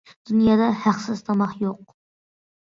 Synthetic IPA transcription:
d̪̥unjɑːd̪ɑhæχsɨzt̪ʰɑmɑχjoq

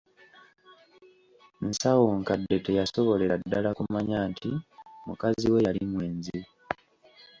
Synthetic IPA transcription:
nsawoŋkade̞te̞jaso̞βo̞leɾadːalakumaɲaːntʰimukaziwe̞jalimweːnzi

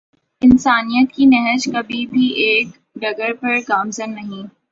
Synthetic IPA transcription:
ɪnsaːnijət̪kinɛɦəd͡ʒkɐbʱibʱiʔeːk | ɖɐɡəɾpɐɾɡaːmzənːɐɦĩ

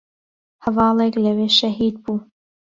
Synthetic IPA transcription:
hɐvɑːlˠeklɐweːʃɐɦiːd̪̚buː

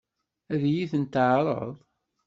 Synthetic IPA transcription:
æðjiθənt̪ʕɾˤə̰ðˤ

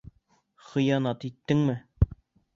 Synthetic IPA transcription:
χɤ̆jɑnɑt̪it̪ːɘŋmɘ

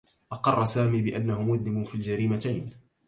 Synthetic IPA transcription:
ʔɑqɑrˤːɑsaːmiːbɪʔanːahʊmʊd̪lɪmʊfiːld͡ʒaɾiːmat̪ajn

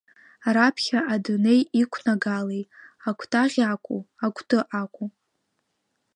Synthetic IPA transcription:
rapʰχʲaʔadɨne̞jikʷʰnaɡalejakʷʰtʰʼaʁʲakʷʼuakʷʰtʰʼɨʔakʷʼu

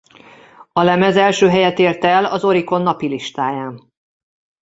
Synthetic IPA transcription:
ɒlɛmɛzɛlʃøːɦɛjɛt̪eːrt̪ɛlɒzo̞ɾiko̞nːɒpiliʃt̪aːjaːn

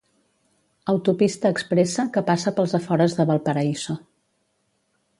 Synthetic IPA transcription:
əwt̪upist̪əːkspɾesəkəpasəpəlˠzəfɔɾəzðəβəlˠpəɾəizo

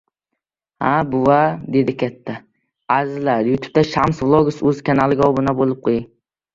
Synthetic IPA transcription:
habʊwad̪e̞d̪ɪkʲʰat̪ʰːa | azɪlaɾjʊt̪ʰʊ̥p̚t̪aʃamsvlˠoɡʊsɵzkʲʰanalɪɡʲaɒbʊnabolˠɪp̚qʰojɪŋ

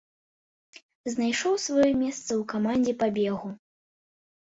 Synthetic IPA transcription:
znajʂɔwsvajɔmʲɛst̪sɐwkamanʲd͡zʲɛpabʲɛɣu

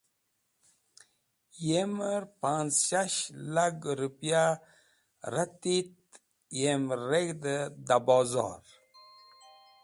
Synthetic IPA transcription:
jeməɾpanzʃaʃlaɡɾupija | ɾat̪it̪̚ | jemɾeɡd̪əd̪abɔzɑ̰ɾ

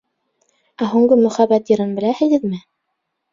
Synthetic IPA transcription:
æɦʉŋɡɤmɵ̆χæbæt̪jɤ̆ɾɤnbɘ̆læhɘ̆ɣɘðmɘ

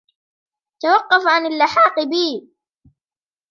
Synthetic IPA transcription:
t̪awɑqːɑfʕanalːɪħɑːqɨbiː

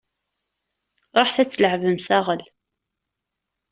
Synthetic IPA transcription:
ɾˤoħθæt͡sːələʕvəmsæʁəl

